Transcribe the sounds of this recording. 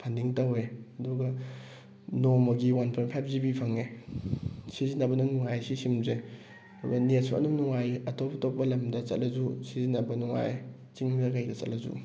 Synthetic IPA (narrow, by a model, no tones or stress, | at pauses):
pʰɐndiŋtɐweɐduɡɐ | nomɐɡiwanpʰojnpʰajp̚ʰzibipʰɐŋe | sizinːɐbɐnɐŋnuŋajsisimze | ɐduɡɐnet̚suɐ̰numnuŋajɐtopɐtopːɐlɐmdɐt͡ʃɐ̰t̚lɐzusizinːɐbɐnuŋa̰j | t͡ʃiŋnɐkajdɐt͡ʃɐ̰t̚lɐzṵ